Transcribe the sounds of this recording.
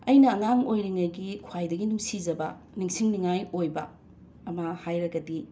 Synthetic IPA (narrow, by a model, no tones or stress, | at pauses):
ɐjnɐːŋaŋojɾiŋɐjɡikʰwajdɐɡinuŋsizɐbɐ̰ | niŋsiŋniŋajojbɐ̰ː | mɐhajɾɐɡɐdi